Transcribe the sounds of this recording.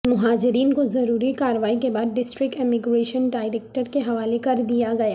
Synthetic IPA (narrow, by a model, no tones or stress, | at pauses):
mʊɦaːd͡ʒɪɾiːnkozɐɾuːɾikaːɾəʋaːikebaːd̪ɖɪsʈɾɪk̚ʈemɪɡɾeːʃənɖaːɪɾeːk̚ʈəɾkeɦɐʋaːlekɐɾd̪ijaɡɐjaː